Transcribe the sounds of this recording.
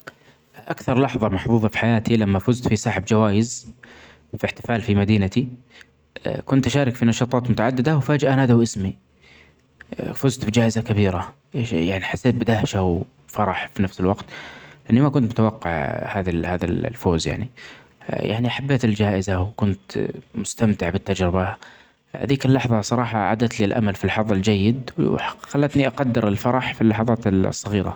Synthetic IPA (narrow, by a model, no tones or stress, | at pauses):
ʔakθɑɾˤlɑħðˤɑmɑħbuːðˤɑfi̥ħajaːt̪ilamːafʊzt̪fisˤɑːħɪbd͡ʒawaːjɪz | fɪħt̪ɪ̥faːlfimad̪iːnat̪i | kʊnt̪ʔʃaːɾɪkfinɑʃɑːt̪ˤɑːt̪mʊt̪aʕad̪ːɪd̪awfaːd͡ʒʔanaːd̪awʔɪsmi | fʊzt̪bid͡ʒaːʔɪzakabiːɾa | jaʕniħasːeːt̪̚bɪd̪ahʃaw | fɑɾˤɑħfinafsɪlwɑqt̪lʔɪnːimakʊnt̪mʊt̪awɑqːɪ̰ʕhaːðahaːðallfoːzja̰ʕnḭ | ja̰ʕniʔaħabːeːt̪ɪld͡ʒaːʔɪzawkʊnt̪mʊst̪amt̪ɪʕbɪt̪ːad͡ʒɾɪba | ha̰d̪iːkalːɑħðˤɑsˤɑɾˤɑːħɑʕa̰d̪at̪liːlʔa̰malfilħɑðˤɪld͡ʒajːɪd̪wxalːat̪niʔɑqɑd̪ːɪɾɪlfɑɾˤɑħfilːɑħɑðˤɑːt̪sˤːɑɣiːɾa̰